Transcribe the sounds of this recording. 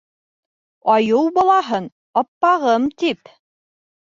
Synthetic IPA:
ɑjɤwbɑlˠɑɦɤn | ɑpːɑʁɤmt̪ip

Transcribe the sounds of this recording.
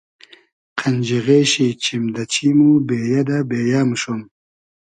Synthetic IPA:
qʰand͡ʑiɣeːɕit͡ɕʰimd̪ɐt͡ɕʰimubeːjad̪abeːjamʂun

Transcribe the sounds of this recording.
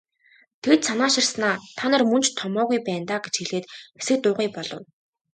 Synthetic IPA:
t̪ʰet̪sanaːʃɪ̆rsnaːt̪ʰanărmɵnt͡ɕt̪ʰːɔmɔːɣujpæːnt̪aːɡet͡ɕxiɮeːt̪esɘ̆k̚t̪ʊːʁiːpɔɮɞ̆w

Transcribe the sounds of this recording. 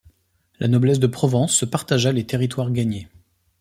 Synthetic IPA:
lʔa̰nɔblɛs̬d̪əpχɔvɑ̃sːəpaʁt̪aʒalet̪eʁit̪waʁɡaɲe

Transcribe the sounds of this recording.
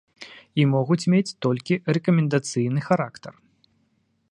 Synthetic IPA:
imɔɣut͡sʲmʲet͡sʲt̪ɔlʲkʲirɛkɐmʲɛnd̪at̪sɨjnɨxaɾakt̪ɐr

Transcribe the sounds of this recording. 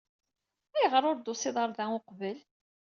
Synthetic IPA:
æjʁəɾˤʊɾd̪osɪðˤəɾˤðæʊqvəl

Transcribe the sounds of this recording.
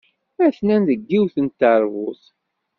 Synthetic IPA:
æθnænðəɡːiwθənt̪ːəɾˤvʊθ

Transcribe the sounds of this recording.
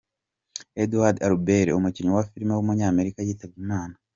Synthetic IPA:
eduwaɾdaɾubeɾeomuciɲuwafiɾimewumuɲaːme̞ɾikajiːtabɡimaːna

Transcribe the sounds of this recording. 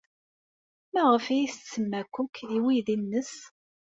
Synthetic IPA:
mæʁəfijist͡sːəmːækʷːʊkʰːiwiðinːəs

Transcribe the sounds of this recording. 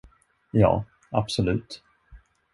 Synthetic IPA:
jɑ̰ː | absɔlʉ̟ːt̪

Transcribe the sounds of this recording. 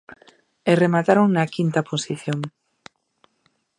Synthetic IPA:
eremat̪aɾoŋnɐkint̪ɐposiθjoŋ

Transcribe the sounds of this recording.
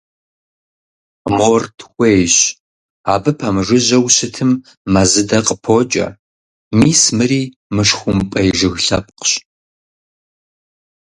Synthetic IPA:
mortʰwʷejɕ | aːbɨpʰɐmɨʐɨʑɐwɕɨtʰɨmː | ɐzɨdɐqʼəpʰoːt͡ʃʼɐ̰ | miːsmɨriː | mɨʂxʷʊmpʼɐjʒɨɣɬɐp̚qɕ

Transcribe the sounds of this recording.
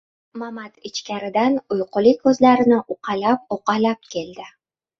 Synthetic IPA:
mamat̪ɪt͡ʃkʲaɾɪd̪anʊjqʊlɪkʲʰːɵzlaɾɪnɪʔʊqʰɑlap̚oqɑlap̚kʲʰe̞ld̪ɪ

